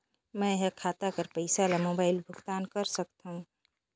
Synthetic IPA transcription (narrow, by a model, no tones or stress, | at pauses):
mə̃ɦekʰat̪akəɾpəɪsalamobaːɪlbʱʊɡt̪ankəɾsəkt̪ɦũ